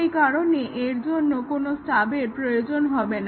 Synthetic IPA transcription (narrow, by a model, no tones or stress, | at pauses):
jkaɾoneʔeɾd͡ʑonːokonosʈabeɾpɾojod͡ʑonɦɔben